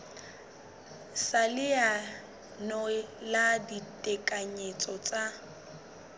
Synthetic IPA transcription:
salɪa | nɔladitʼɛkʼaɲet͡sʼɔt͡sʼa

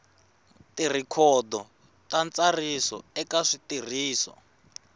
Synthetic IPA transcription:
tir̤ikʰɔd̪ɔ | tant͡sarisɔ̰ɛkaʂitir̤iːsɔ̰

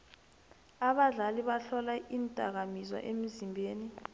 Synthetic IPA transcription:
aɓaɮaliɓaɬɔlaʔintʼak̬amizwa̰ʔem̩zimbʱeːni

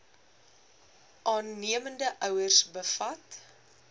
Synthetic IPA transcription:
ʔɑːnːiəməndəʔœwərsbəfɐt

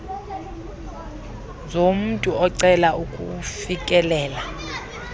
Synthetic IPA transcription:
zom̩tʼuɔǀɛlaukʼṵfikʼɛlɛːla

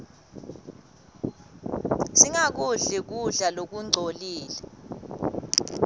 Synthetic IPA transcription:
siŋak̬uɮik̬uɮalok̬uŋ͡ǀʱoliːlɛ

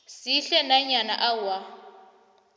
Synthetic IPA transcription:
siɬɛnaɲanaʔawa

